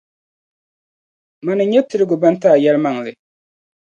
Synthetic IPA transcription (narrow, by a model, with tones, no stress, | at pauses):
ma˨nɨ˨ɲɛ˦tɨ˦ɾɨ˦ɡʊ˨ba˦ntaː˦˨jɛ˦lma˨ŋ˨lɨ˨